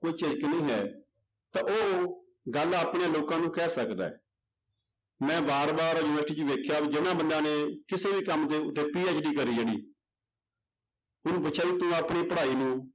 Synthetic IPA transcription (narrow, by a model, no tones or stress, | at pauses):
koiːt͡ʃed͡ʒknəĩːɦɛː | t̪ãːʔoː | ɡəlaːpɳeloːkãːnũːkɛːsəkd̪a̰ːɛː | mɛ̃ːbaːɾbaːɾoːjunəʈiːd͡ʒuʋeːkʰjaːd͡ʒɪnãːbənd̪ãːneːkɪseːbiːkəmd̪eːʊt̪ːeːpiːet͡ʃɖiːkəɾiːd͡ʒeːɽḭː | ʊnũːbət͡ʃʰaːiːt̪ũːapɳiːpəɽaːiːnũː